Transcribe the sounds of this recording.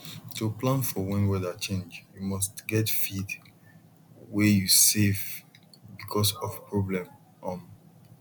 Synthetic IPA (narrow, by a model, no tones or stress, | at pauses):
tuplãnfɔwɛ̃nwɛdat͡ʃẽnd͡ʒjumɔstɡɛtfid | wɛjusevbikʰɔsɔvpɹɔblɛ̃m | ɔ̃m